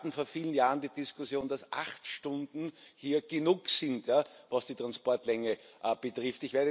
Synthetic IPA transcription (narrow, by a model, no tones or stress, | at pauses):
tn̩foːɐfiːlən̩jaːʁəndiːd̥ɪskʰʊsjoːnd̥asʔa̰xtʃtʊ̃ndn̩hiːɐɡ̥ənuːksɪntjavasd̥iːtʁ̥anspɔɐtlɛŋəʔəb̥ətʁɪftɪçveːɐɾə